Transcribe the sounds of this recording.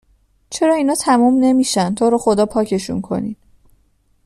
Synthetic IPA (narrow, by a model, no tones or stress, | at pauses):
t͡ʃʰe̞ɾɒːiːnɒːt̪ʰæmumne̞miːʃænt̪ʰoːɾɒːxo̞d̪ɒːpʰɒːcʰe̞ʃṵnkʰo̞̰nid̪̥